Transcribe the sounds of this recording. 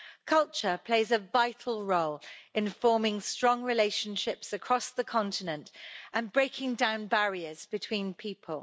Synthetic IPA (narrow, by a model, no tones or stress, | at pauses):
kʰʌlˠt͡ʃəpʰl̥eɪzəvaɪtʰˡəl̩ˠɹoʊlɪ̃nfɔːmɪ̃ŋstɹ̥ɒ̃ŋɹɪleɪʃə̃nʃɪpsəkʰɹ̥ɒsðəkʰɒ̃ntɪnə̃ntʔə̃nbɹeɪkʰɪ̃ŋdãʊ̃nbaɹiəzbɪtʰw̥ĩːnpʰiˑpʰəlˠ